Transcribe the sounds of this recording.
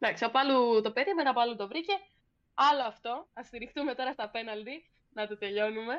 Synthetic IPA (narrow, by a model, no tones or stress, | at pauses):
d̪ɐksɐpɐlut̪o̞peðimenɐpoɐlut̪o̞vɾice̞ | ɐloɐft̪o̞ɐst̪iɾixt̪ume̞t̪o̞ɾɐst̪ɐpe̞nɐld̪i | nɐt̪o̞t̪e̞ʎo̞nume̞